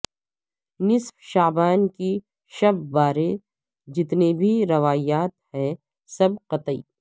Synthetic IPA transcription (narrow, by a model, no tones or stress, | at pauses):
nɪsfʃaːbaːnki | ʃɐbːaːɾe | d͡ʒɪt̪nebʱiɾɐʋaːjaːt̪hɛ̃ː | sɐbqɐt̪əḭː